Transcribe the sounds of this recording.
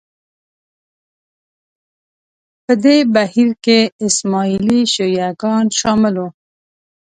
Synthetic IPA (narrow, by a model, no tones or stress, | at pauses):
pəd̪ebahiɾkeɪsmɑiliʃojaɡɑnʃɑmɪlo